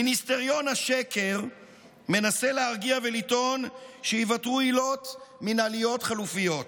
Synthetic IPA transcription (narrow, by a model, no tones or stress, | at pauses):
minist̪e̞ʁjo̞nhaʃekʰe̞ʁ | me̞nase̞leaʁɡiavelito̞nʃejivatʁuilo̞t̪minalijo̞tχalufijo̞t̪